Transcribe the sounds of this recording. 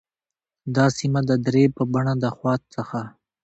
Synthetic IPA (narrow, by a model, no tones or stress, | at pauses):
d̪ɑsimad̪əd̪ɾepəbaɳad̪əxwɑt̪̚səxa